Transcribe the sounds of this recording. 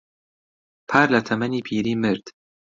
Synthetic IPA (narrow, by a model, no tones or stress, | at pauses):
pʰaɾlat̪ʰæmaniːpʰiːɾiːmeɾd̪̥